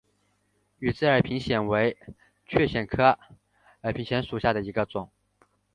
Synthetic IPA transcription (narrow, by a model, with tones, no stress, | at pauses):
y˨˩t͡sɹ̩˥˩ə˞˨˩pʰi˧˥ŋɕjɛ˨˩nwe˧˥ɪ | t͡ɕʰɥɛ˥˩ɕjɛ˨˩nkʰɤ˥ | ə˞˨˩pʰi˧˥ŋɕjɛ˧˥nʂu˨˩ɕja˥˩d̪ə˩i˧˥ɡə˧t͡sʊ˨˩˦ŋ